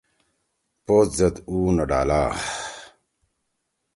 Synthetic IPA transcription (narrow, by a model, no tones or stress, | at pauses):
pot̪zɐd̪uːnɐɖa̰ːlaː